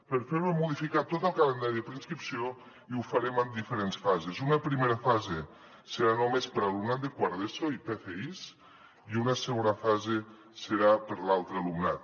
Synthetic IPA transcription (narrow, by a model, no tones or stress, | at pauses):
pəɾfeɾemuðifikat̪ːot̪əlˠkalənd̪aɾiðəpɾinskɾipsio | iufəɾemənd̪ifəɾensfazezunəpɾimeɾəfaze | səɾanomespəɾəlumnat̪̚d̪əkwaɾðesoipefeis | iunəsəɣonəfaze | səɾapəɾlalˠt̪ɾəːlumna̰t̪̚